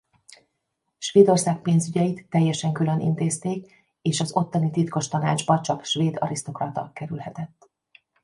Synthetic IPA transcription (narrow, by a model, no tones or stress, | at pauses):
ʃʋeːd̪o̞rsaːk̚peːnzyɟɛjit̪ːɛjːɛʃɛŋkylø̞nʔḭnt̪eːst̪eːk | eːʃɒzo̞t̪ːɒnit̪it̪ko̞ʃt̪ɒna̰ːd͡ʒbɒt͡ʃɒkʃʋeːd̪ɒ̰ɾist̪o̞krɒt̪ɒ̰kɛɾylhɛt̪ɛt̪ː